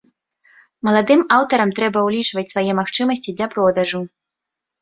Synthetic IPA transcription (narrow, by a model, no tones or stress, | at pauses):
mɐlˠad̪ɨmawt̪ɐɾɐmt̪ɾɛbɐwlʲit͡ʂvɐt͡sʲsvajɛmaxt͡ʂɨmɐsʲt͡sʲid̪lʲɐpɾɔd̪ɐʐu